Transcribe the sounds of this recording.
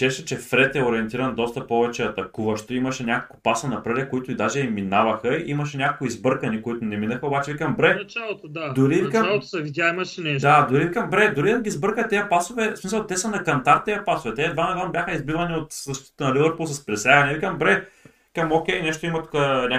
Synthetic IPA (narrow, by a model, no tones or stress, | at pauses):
t͡ʃɛʃɛt͡ʃɛfɾɛt̪ɛʊɾiɛnt̪iɾɐnd̪ɔst̪ɐpɔvɛt͡ʃɛɐt̪ɐkuvɐʃt̪oimɐʃɛnʲakoko̥pasɐnɐpɾɛd̪ɛkːʊit̪ʊid̪aʒɛiminavɐxəiʔimɐʃɛnʲakokʊizbɤɾkɐnikoit̪ʊnɛminɐxɐobat͡ʃɛvikɐmbɾɛnɐt͡ʃalˠot̪od̪ad̪ʊɾivikəmalˠt̪sɐvidʲaimɐʃɛnɛʃd̪ad̪ʊɾiikɐmbɾɛd̪ʊɾid̪ɐɡʲiːzbɤɾkət̪ːɛəpasovɛsmisəlˠt̪ɛsɐnɐkɐnt̪aɾt̪ːɛɐpasʊvɛt̪ɛd̪vanɐd̪anbʲjaxəizbid̪vɐniot̪zɐʃt̪i̥t̪t̪nɐlivəɾpulˠsɐspɾɛsaɡɐnɛvikɐmbɾɛ | kɐmok̟ʲɛjnɛʃt̪oimɐt̪u̥kanʲa